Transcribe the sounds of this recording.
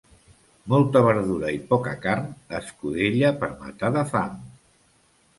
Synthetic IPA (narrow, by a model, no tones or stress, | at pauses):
mɔlˠt̪əβ̞əɾðuɾəipɔkəkaɾnəskuðeʎəpəɾma̰t̪aðəfaŋ